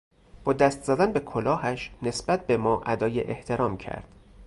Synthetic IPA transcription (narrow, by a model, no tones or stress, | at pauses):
b̥ɒːd̪æst̪zæd̪ænbe̞kʰolɒːhæʃne̞sb̥æt̪̚be̞mɒːʔæd̪ɒːjḛʔeht̪ʰe̞ɾɒːmcʰæ̰ɾd̪̥